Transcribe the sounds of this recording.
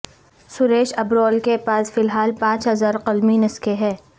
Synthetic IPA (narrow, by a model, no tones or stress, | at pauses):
sʊɾeːʃɐbɾɔːlkepaːsfɪlɦaːlpãːt͡ʃɦɐzaːɾqɐlminɐskeɦɛː